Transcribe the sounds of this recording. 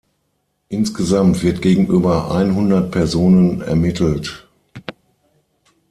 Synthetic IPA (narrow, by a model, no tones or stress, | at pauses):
ʔɪnsɡ̥əzamtv̥ɪɐtɡ̥eːɡŋ̩ʔyːbɐʔa̰ɪnɦʊndɐt̚pʰɛɐzoːnənɛ̰ɐmɪtʰl̩t